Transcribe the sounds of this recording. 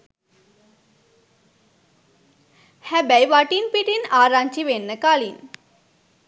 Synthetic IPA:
hæbæjʋaʈinpiʈinaːɾaɲt͡ʃiʋenːəkalin

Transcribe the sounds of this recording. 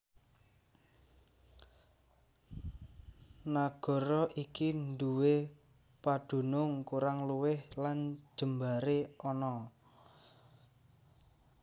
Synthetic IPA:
naɡ̥ɔ̤ɾɔʔikind̪uwe | pad̪̥ṳnʊŋkuɾaŋluwɪhlan̥ʒ̥ə̤mbaɾeɔnɔ

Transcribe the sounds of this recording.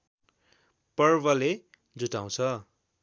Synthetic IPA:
pʌrbʌle | d͡zuʈaw̃t͡sʰʌ

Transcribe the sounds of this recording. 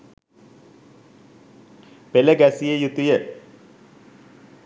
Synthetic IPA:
peləɡæsijəjut̪ujə

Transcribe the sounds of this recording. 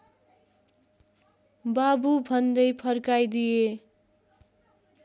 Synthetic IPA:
babubʱʌnd̪ʌjpʰʌrkajd̪ije

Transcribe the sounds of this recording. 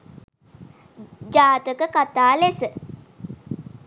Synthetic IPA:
d͡ʒaːt̪əkəkat̪aːlesə

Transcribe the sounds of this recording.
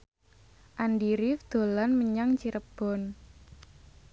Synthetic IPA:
ʔanɖiɾifd̪̥o̤lanməɲaŋt͡ʃiɾəb̥ɔ̤n

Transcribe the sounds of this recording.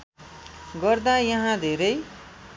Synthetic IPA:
ɡʌrd̪ajʌɦãd̪ʱeɾʌj

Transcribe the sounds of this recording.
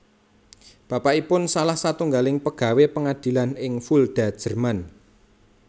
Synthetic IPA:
b̥a̤paʔipʊnsalahsat̪uŋɡalɪŋpəɡ̥a̤wepəŋad̪̥i̤lanɪŋfuld̪̥a̤d̥ʒ̥ə̤rman

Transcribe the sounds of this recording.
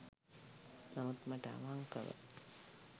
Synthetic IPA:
namut̪məʈəa̰ʋaŋkəʋə̰

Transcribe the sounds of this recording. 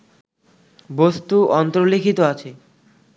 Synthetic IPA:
bost̪uɔnt̪ɾolikʰit̪oat͡ɕʰe

